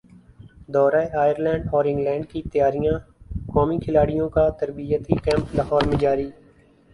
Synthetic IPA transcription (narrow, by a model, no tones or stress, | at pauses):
d̪ɔːɾaːeaːjəɾlɛ̃ːɳɖɔːɾɪ̃ŋɡlɛ̃ːɳɖ̚kit̪əjaːɾijãːkɔːmikʰɪlaːɽijõkat̪əɾbijət̪ikɛ̃ːmplaːɦɔːɾmẽd͡ʒaːɾiː